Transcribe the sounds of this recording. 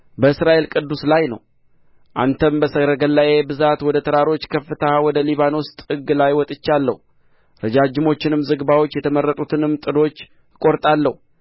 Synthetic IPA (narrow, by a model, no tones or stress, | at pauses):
bəɨsɾaʔe̞lkʼɨd̪ːuslajnəw | ʔa̰nt̪ʰəmbəsəɾəɡəlːaje̞bɨzat̪wɔd̪ət̪ʰəɾaɾo̞t͡ʃːkʰəfːɨt̪ʰawɔd̪əliβanost̪ʼɨɡːɨlajwɔt̪ʼɨt͡ʃːalːə̰hu | ɾəd͡ʒad͡ʒɪmo̞t͡ʃːɪnɨmzɨɡbawo̞t͡ʃːjɛt̪ʰəməɾːət̪ʼut̪ʰɨnɨmːt̪ʼɨd̪o̞t͡ʃː | kʼo̞ɾt̪ʼalːəhu